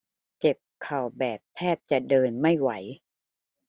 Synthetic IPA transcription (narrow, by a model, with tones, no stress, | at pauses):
t͡ɕe˨˩p̚kʰa˨˩wbɛː˨˩p̚t̪ʰɛː˥˩p̚t͡ɕa˨˩dɤː˧nma˥˩jwa˩˦j